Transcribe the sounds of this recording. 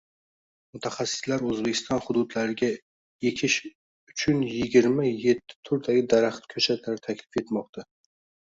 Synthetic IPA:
mʊt̪ʰaχasːɪ̥slaɾɵzbekʲʰɪ̥st̪ɒnhʊd̪ʊd̪laɾɪɡʲa | je̞kʲʰɪʃ | ʊt͡ʃʰʊnjɪɡʲɪɾmaje̞t̪ʰːɪ̥t̪ʰʊɾd̪aɡʲɪd̪aɾaχt̪kʲʰɵt͡ʃʰat̪ʰlaɾɪt̪ʰakʲlɪfe̞t̪mɒq̚t̪ʰa

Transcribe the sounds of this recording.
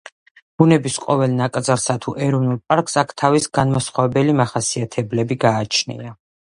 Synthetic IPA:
b̥unɛbisqʼɔvɛlˠnakʼd̪zalsat̪ʰuʔɛɾɔnulˠpʼaɾkʼsakʰt̪ʰavisɡ̥anmasχwavɛbɛlimaχasiat̪ʰɛblɛbiɡaːt͡ʃʰnḭa

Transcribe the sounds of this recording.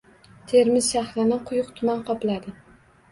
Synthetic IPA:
t̪ʰe̞ɾmɪzʃahɾɪnɪqʰʊjʊqt̪ʰʊmanqʰɒplad̪ɪ

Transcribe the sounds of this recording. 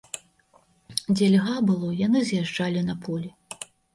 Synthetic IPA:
d͡zʲɛlʲɣabɨlˠɔjanɨzʲjaʐd͡ʐalʲinɐpʰulʲi

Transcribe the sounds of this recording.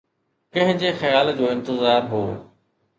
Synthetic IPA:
kɐ̃ɦɪ̃ɲd͡ʑexɐjaːld͡ʑoːɪ̃nt̪ɪzaːɾɦoː

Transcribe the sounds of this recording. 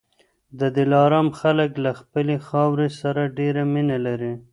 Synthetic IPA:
d̪əd̪ɪlɑɾɑmxaləklaxpəlexɑwɾesaɾaɖeɾaminalaɾi

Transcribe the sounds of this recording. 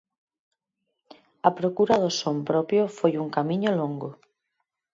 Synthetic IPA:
ɐpɾokuɾaðʊsompɾɔpjofojuŋkamĩɲʊloŋɡo

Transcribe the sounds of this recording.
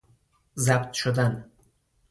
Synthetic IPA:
zæbt̪ʃod̪æn

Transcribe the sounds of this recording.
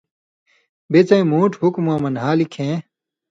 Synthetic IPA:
bet͡sɐĩmuːʈhukmaːmɐnɦaːlikʰẽː

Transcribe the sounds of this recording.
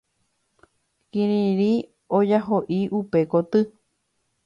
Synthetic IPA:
kĩɾĩɾi | od͡ʒaɦoʔiʔupe̞kot̪ɨ

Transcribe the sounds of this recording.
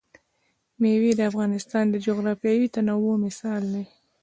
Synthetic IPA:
mewid̪əafɣɑnɪst̪ɑnd̪əd͡ʒoɣɾɑfjɑwit̪anawomɪsɑld̪e

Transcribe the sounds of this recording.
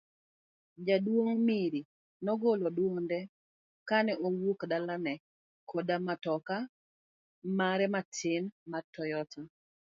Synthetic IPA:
d͡ʒadwoŋmiɾi | nɔɡolodwoŋndɛ | kanɛʔowukdalanɛ | kʰodamatɔka | maɾɛmatʰɪnmatɔjɔta

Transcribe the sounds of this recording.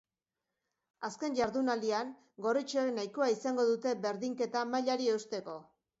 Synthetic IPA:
aske̞nʝaɾðunald̪iaŋ | ɡo̞rit͡ʃenajkoaisaŋɡo̞ðut̪e̞be̞ɾðiŋke̞t̪amaʎaɾieust̪e̞ko̞

